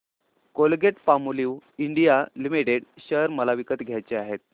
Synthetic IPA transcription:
kolɡeʈpamuliwiɳɖijalimiʈeɽɕəɾməlaʋikət̪ɡʱjajt͡ɕeaɦet̪̚

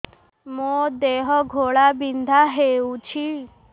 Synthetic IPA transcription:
mod̪eɦɔɡʱoɭabind̪ʱaɦeut͡ɕʰi

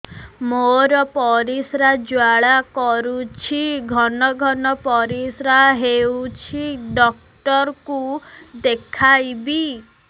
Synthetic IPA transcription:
moɾɔpɔɾisɾad͡ʒwaɭakɔɾut͡ʃʰiɡʱɔnɔɡʱɔnɔpɔɾisɾaɦewt͡ʃʰiɖɔk̚ | ʈɔɾkud̪ekʰajbi

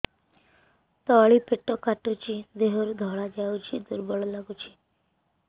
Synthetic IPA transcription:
t̪ɔɭipeʈɔkaʈut͡ʃid̪eɦɔɾud̪ʱɔɭad͡ʒaut͡ʃʰid̪uɾbɔɭɔlaɡut͡ʃʰi̥

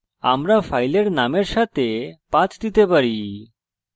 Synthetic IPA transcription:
a̰mɾafajleɽnameɾɕat̪epat͡st̪it̪ebəɾi

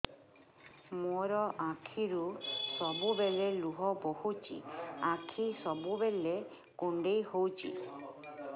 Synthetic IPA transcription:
moɾɔʔakʰiɾusɔbubeleluɦɔbohut͡ʃʰḭakʰisɔbubele | kuɳɖejhowt͡ʃʰḭ

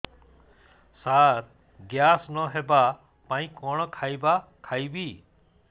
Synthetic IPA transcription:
saɾ | ɡjasnɔɦeba | pãĩkɔɽ̃ɔkʰajbakʰajbi

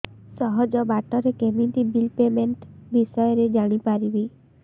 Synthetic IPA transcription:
sɔɦɔd͡ʒɔbaʈɔɾekemint̪ibilpemeɳʈbisɔjɔɾed͡ʒaɽ̃ipaɾibi

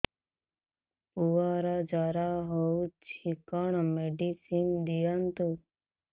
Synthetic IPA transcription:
puaɾad͡ʒaɾaɦɔut͡ʃʰikəɳ̃meɖisind̪ijənt̪u

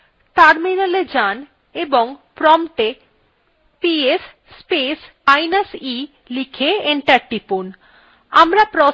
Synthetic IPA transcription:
ʈaɾminaled͡ʑan | eboŋpɾɔmʈ̪e | piesː | pes | ajnasi | likʰeeɳʈaɾʈipun | a̰mɾapɾɔ

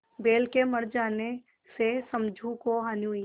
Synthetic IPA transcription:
beːlkemɐɾd͡ʒaːne | sesɐ̃md͡ʒʱũkoɦanu

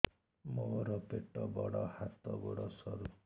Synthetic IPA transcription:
moɾɔpeʈɔbɔɽɔhat̪ɔbɔɽɔsɔɾu

